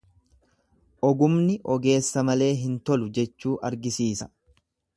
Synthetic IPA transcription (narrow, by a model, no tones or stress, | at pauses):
ʔɔɡʊmnɪʔɔɡe̞ːsːɐmɐle̞ːɦɪnt̪ɔlʊd͡ʒɛt͡ʃːuːʔɐɾɡɪsiːsɐ̥